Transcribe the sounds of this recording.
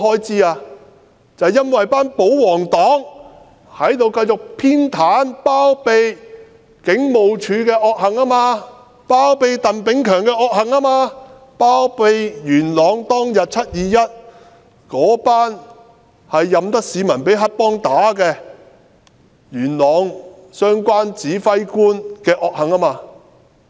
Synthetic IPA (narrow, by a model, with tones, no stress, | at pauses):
hɔː˥jt͡siː˥aː˧ | t͡sɐ˨˧wjɐ˥nwɐ˨jpaː˥npo˨˥wwɔː˨˩ŋt̪ɔː˨˥ŋ | hɐ˨˥jt̪o˨˧wkɐ˧jt͡ʃʊ˨k̚pʰiː˥nt̪ʰaː˨˥npaː˥wpe˨˧j | kɪ˨˥ŋmo˨wt͡ʃʰyː˨˧kɛː˧ʔɔː˧k̚hɐ˨˩ŋaː˥maː˧ | paː˥wpe˧jt̪ɐ˨npɪ˨˥ŋkʰœː˨˩ŋkɛː˧ɔː˧k̚hɐ˨ŋaː˥maː˧ | paː˥wpe˨˧jjyː˨˩nlɔː˨ŋt̪ɔː˥ŋjɐ˨t̚t͡sʰɐ˥t̚jiː˨˧jɐ˥t̚ | kɔː˨˥paː˥n | hɐ˨jːɐ˨mt̪ɐ˥k̚siː˨˧mɐ˨˩npe˨˥jɦɐ˥t̚pɔː˥ŋt̪aː˨˥kɛː˧ | jyː˨˩nlɔː˨˧ŋ | sœː˥ŋkʷaː˥nt͡siː˨˥fɐ˥jkuː˥nkɛː˧ʔɔː˧k̚hɐ˨˩ŋaː˥maː˧